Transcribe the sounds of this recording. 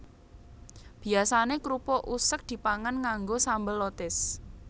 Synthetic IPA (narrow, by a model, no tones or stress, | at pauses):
b̥i̤asanekɾupɔʔusək̚d̪̥i̤paŋanŋaŋɡosambəlot̪ɪs